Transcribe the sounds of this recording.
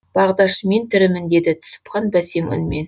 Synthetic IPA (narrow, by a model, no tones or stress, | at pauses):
b̥ɑʁd̪ɑʃme̞nt̪ʰɪɾɪmɪnd̪e̞d̪ɪt̪ʰʊ̥sə̥pqɑnbæse̞ŋʏ̰nme̞n